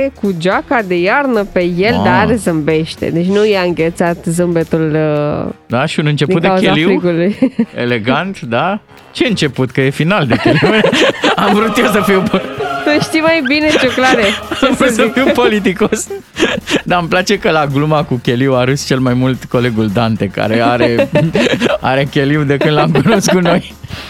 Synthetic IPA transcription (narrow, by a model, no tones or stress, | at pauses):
ekud͡ʒakad̪e̞jarnəpe̞je̞ld̪aɾezəmbe̞ʃt̪ḛd̪e̞t͡ʃʲnujeɨŋɡʲet̪sat̪zɨmbet̪ul | d̪aʃiunɨnt͡ʃepd̪iut̪̚d̪eaeukzʲealifwɾiɡulujḛle̞ɡant̪d̪a | t͡ʃe̞ɨnt͡ʃe̞put̪kəje̞finald̪ekʲelimeamvɾut̪jesəfiwposəʃt̪imajbinet͡ʃoklaɾeavɾut̪səfiwpo̞lit̪̬iko̞s | d̪amplat͡ʃe̞kəlaɡlumakukʲe̞liwaɾɨst͡ʃe̞lmajmult̪ko̞le̞ɡuld̪ant̪e̞ka̰ɾeaɾe̞ | a̰ɾe̞kʲe̞liwd̪e̞kɨnd̪lamkunoskuno̞j